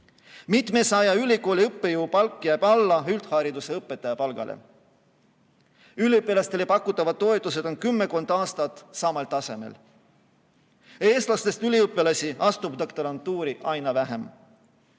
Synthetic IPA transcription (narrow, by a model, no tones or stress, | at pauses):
mit̪ˑmesɑjɑylʲiko̞ːlʲiɤpːe̞juwpɑlkˑːjæjb̥ɑlːɑyld̪̥hɑːɾid̪use̞ɤpːˑet̪ːˑɑjɑpɑlɡ̥ɑ̰lʔḛ | ylʲiɤpːˑelɑst̪e̞lepɑkːˑut̪ːˑɑvɑd̪̥̚t̪ːo̞e̞t̪ːˑuse̞d̪o̞nkymːe̞ko̞nd̪̥ɑːst̪ɑt̪sɑmɑlt̪ɑse̞̰mḛl | e̞ːst̪lɑst̪e̞st̪ylʲiɤpːˑelɑsʲiʔɑst̪ub̥d̪okt̪ɑɾɑnt̪uːɾiʔɑjnɑvæɦe̞m